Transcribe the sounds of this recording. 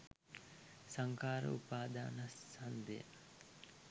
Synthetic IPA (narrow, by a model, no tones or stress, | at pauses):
saŋkaːɾə̰upaːd̪aːnasand̪ḛj̰